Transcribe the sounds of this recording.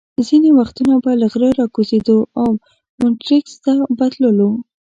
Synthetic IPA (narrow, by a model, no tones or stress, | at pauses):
zinewaxt̪unabalaɣɾəɾɑkozed̪oaw | mʊʈɾikst̪abad̪ləlo